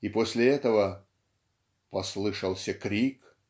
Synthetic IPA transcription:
iposʲlʲɪɛt̪əvə | pɐslˠɨʂɐlˠsʲɐkɾʲik

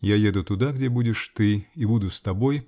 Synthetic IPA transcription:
jajɛd̪ut̪ud̪aɡd͡zʲɛbud͡zʲɛʂt̪ɨibud̪ust̪abɔj

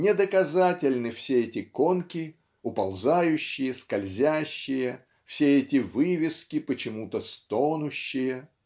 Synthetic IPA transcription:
nʲɪd̪əkɐzatʲɪlʲnɨfsʲeɛtʲɪko̞nkʲɪ | ʊpɐlˠzajʉɕːɪjəskɐlʲzʲæɕːɪjə | fsʲeɛtʲɪvɨvʲɪskʲɪpət͡ɕɪmut̪əst̪onʊɕːɪjə

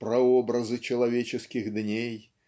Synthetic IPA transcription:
pɾɐɔbɾɐzɨt͡ʃɐlˠavʲet͡ʃɛskʲiɣd̪nʲej

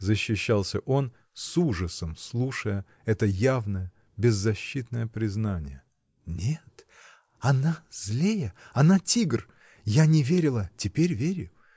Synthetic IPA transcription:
zəɕːɪɕːalˠsʲə̰ʔo̞n | suʐəsəmslˠuʂəjə | ɛt̪əjavnəjə | bʲɪzːɐɕːit̪nəjəpɾʲɪznanʲɪ̰jə | nʲet̪ | ɐnazlʲejəɐnatʲiɡr | janʲɪvʲeɾʲɪlˠətʲɪpʲeɾʲvʲeɾʲɪjʊ

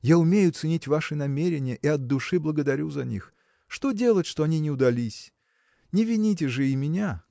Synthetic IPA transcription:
jaʊmʲejʊt̪sɨnʲitʲvaʂɨnɐmʲeɾʲɪnʲɪjəʔiɐd̪̚d̪ʊʂɨblˠəɡəd̪ɐɾʲuzɐnʲḭx | ʂt̪o̞dʲe̞lˠətʲʂt̪oɐnʲinʲɪʊd̪ɐlʲisʲ | nʲɪvʲɪnʲit̬ʲɪʐɨɪmʲɪnʲa

